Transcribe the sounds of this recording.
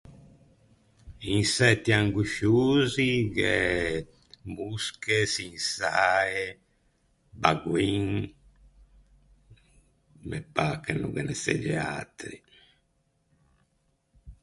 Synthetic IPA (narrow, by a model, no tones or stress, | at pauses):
insɛt̪ːiaŋɡuʃuːziɣe | muskesinsae | baɡwiŋ | mɛpakenuɣɛnɛsḛd͡ʒɛa̰t̪ɾi